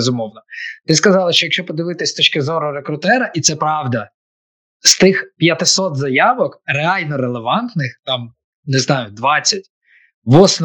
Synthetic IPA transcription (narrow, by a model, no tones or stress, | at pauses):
zʊmɔwnɔt̪ɪskɐzɑlˠɐʃt͡ʃɔjɐkʃt͡ʃɔpɔd̪ɪʋɪt̪ɪsʲt̪ɔt͡ʃkɪzɔɾɔɾekɾʊt̪ɛɾɐʔit̪sɛpɾɑwd̪ɐ | st̪ɪxpʲjɐt̪ɪsɔt̪zɐjɑʋɔkreɑlʲnɔɾelˠeʋɑnt̪nɪxt̪ɑm | nɪznɑjʊd̪ʋɑt͡sʲːɐt̚ʲ | ʋɔsn